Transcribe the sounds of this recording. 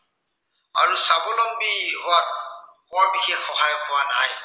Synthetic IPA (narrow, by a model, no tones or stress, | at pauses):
a̰ɹusabʊlɔŋbiathɔwabikʰixɔɦajɔpɔwana̰j